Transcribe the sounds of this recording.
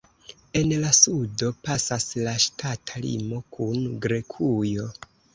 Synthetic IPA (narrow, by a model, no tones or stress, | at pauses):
e̞nlasudo̞pasaslaʃtatʰalḭmo̞kʰunɡɾe̞kʰujo̞